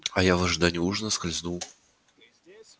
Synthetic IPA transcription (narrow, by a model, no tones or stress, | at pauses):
ɐjavɐʐɨd̪anʲuuʐnəskɐlʲznu